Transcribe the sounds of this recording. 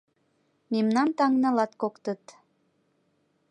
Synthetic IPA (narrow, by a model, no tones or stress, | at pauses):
memnɑnt̪ɑŋnɑlɑt̪kokt̪ət̪